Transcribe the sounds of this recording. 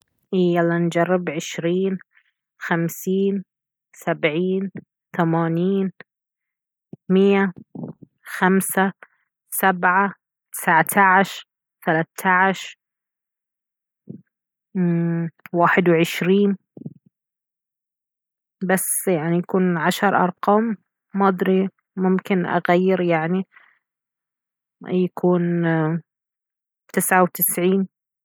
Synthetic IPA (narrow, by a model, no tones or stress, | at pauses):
ʔiːalːand͡ʒɑrˤːɪbʕɪʃɾiːn | xamsiːn | sabʕiːn | θamaːniːn | mɪjːa | xamsa | sabʕa | t̪ɪ̥saʕt̪ʰaʕɪʃɾ | θalat̪ʰːaʕɪʃɾ | waːħɪd̪wʕɪʃɾiːn | basjaʕnijakuːnʕaʃɑɾˤʔɑ̰ɾˤqɑːmː | ɑd̪ˤɾi | mʊmkɪnʔa̰ɣajːɪɾjaʕni | jakʰuːn | t̪ɪsʕawt̪ɪsʕiːn